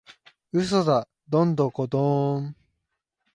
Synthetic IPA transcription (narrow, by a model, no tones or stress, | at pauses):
ɯ̟s̬oza | d̪õnd̪õkod̪o